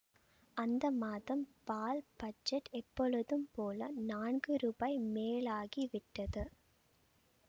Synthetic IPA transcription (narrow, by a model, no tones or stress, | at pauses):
ʔɐnd̪ɐmaːðɐmpaːlb̥ɐd͡ʒɛʈɛpːɔɻɯðɯmpoːlɐnaːɳɡɯɾuːbɐɪmeːlaːɣiʋɪʈːɐðɯ